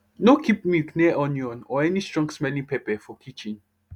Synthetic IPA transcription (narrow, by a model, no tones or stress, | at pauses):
nokʰipmiknɛʔɔ̃njɔ̃nɔɛnistɹɔ̃ŋɡsmɛlĩŋpepɛfɔkʰit͡ʃĩn